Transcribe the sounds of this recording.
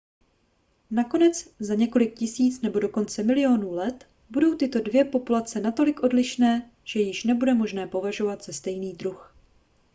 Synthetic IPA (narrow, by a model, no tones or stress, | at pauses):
nako̞nɛt͡szaɲɛko̞lɪk̚cɪsiːt͡snɛbo̞do̞ko̞nt͡sɛmɪlɪo̞nuːlɛt̪ | budo̞wt̪ɪt̪o̞dvjɛpo̞pulat͡sɛnat̪o̞lɪkʔo̞dlɪʃnɛː | ʒ̥ɛjɪʃnɛbudɛmo̞ʒnɛːpo̞vaʒo̞vat̪z̥ast̪ɛjniːd̪ɾux